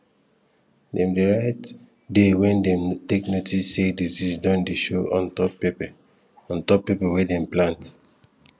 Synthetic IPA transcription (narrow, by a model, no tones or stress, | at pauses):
dɛ̃mdeɹaɪt | dewɛ̃ndɛ̃mteknotʰisːedizisdɔ̃ndeʃoɔ̃ntɔpp | ɔ̃ntɔpːepɛwedɛ̃mplãnt